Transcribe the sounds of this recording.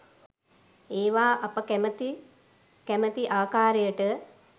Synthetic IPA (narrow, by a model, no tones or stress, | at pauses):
eːʋaːʔɐpəmi | kæmət̪iʔaːkaːɾejəʈə